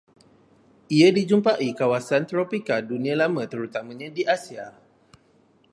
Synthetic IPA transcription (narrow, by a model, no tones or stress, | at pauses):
ʔiadid͡ʒumpaʔikawasant̪ɾopikadunĩãlamãt̪əɾut̪amãɲãdiʔasia